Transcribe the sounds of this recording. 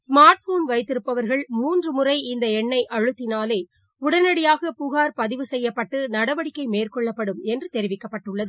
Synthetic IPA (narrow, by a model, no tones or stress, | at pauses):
smaːɾʈfoːnʋɐɪt̪ːɪɾɯpːɐʋɐɾɣɐɭmuːndrɯmʊrɐɪɪnd̪ɐɛɳːɐɪʔɐɻɯt̪ːɪnaːleː | ʊɽɐnɐɽɪjaːɣɐpʊɣaːɾpɐðɪʋɯsɛjːɐpːɐʈːɯnɐɽɐʋɐɽɪkːɐɪmeːrkɔɭːɐpːɐɽɯmɛndrɯt̪ɛɾɪʋɪkːɐpːɐʈːɯɭːɐðɯ